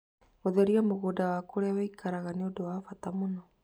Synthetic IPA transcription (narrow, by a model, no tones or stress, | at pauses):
oðɛɾiamoɣoːdawaːkoɾeawaikʰaɾaɣaneodowafatamonɔ